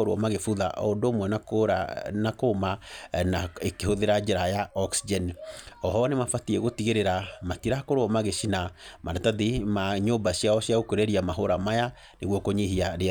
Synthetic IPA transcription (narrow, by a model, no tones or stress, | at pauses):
oɾwɔ̰maɣefuða̰ʔɔ̰ondomwɛna̰ | nakomaaekehoðeɾad͡ʒeɾajaɔksid͡ʒɛnɔɦɔnemafatiɛɣotiɣeɾeɾamatiɾakoɾoɔmaɣeʃinamaɾataðimaɲombaɕiaɔɕjaɣokweɾeɾiamaɦoɾamaja | neɣwɔkoɲihiaɾe